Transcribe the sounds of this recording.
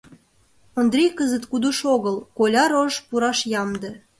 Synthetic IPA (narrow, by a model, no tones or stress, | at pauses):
ond̪ɾʲejkəzət̪kud̪uʃoɣəlkolʲɑɾoʒpuɾɑʃjɑmd̪ə̆